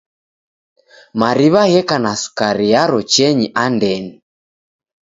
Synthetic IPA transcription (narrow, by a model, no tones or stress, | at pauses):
maɾiβaɣɛkanasu̥kaɾijaɾɔt͡ʃɛɲiʔandɛni